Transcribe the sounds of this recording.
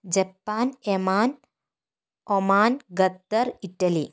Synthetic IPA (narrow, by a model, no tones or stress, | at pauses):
d͡ʑɐpːaːnemaːn | omaːnɡɐt̪ːɐɾiʈːɐli